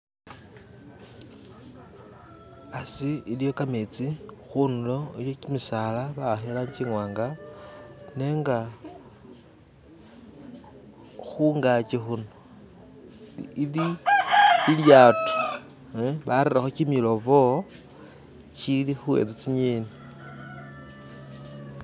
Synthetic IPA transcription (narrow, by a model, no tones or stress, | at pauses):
asiilijo̞kamet͡sixunulo̞ijocimisaːlaβaxelaɲt͡ʃiŋwaːŋɡa | ne̞ŋɡa | xuŋɡat͡ʃexuno | ili | iljaːtu̥ | βaɾiɾaxocimilo̞βo | cilixuḛt͡sit͡siɲeːni